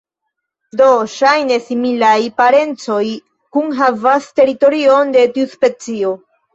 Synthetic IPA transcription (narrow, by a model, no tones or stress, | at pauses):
do̞ʃajne̞similajpaɾe̞nt͡so̞j | kunɦavaste̞ɾito̞ɾio̞nde̞tiuspe̞t͡sio̞